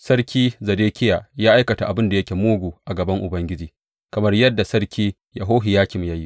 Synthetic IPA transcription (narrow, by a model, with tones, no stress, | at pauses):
sɐ˦rkʲiː˦zɐ˨deː˦kʲɪ˦jaː˨jaː˦ʔa˦jkɐ˨ta˨ʔa˨bɪ˦nda˨jɐ˦kʲe˨moː˦ɡʷuː˨ʔa˨ɡɐ˨bɐ˦ŋʔʊ˨bɐ˦ŋɡʲɪ˦d͡ʒiː˨ | kɐ˨mɐ˦rjɐ˦dːa˨sɐ˦ɽkʲʰiː˦ | ja̰˨ɦoː˦ɦi˨jaː˦kʲɪ˨mjaː˦ji˦ʔ